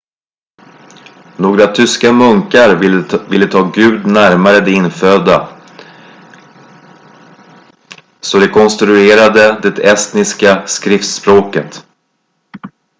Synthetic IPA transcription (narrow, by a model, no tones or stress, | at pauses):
noːɡɾat̪ʰʏskamɵŋkaɾvɪlːət̪ʰɑːɡʉ̟ːd̪næɾmaɾəd̪ɛɪnfød̪a | sɔd̪ɛkʰɔnst̪ɾɵeːɾad̪əd̪ɛt̪ɛst̪nɪskaskɾɪft̪spɾoːkət̪